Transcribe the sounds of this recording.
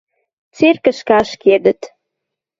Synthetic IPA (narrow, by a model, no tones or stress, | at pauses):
t͡serkə̆ʃkɑʃked̪ə̆t̪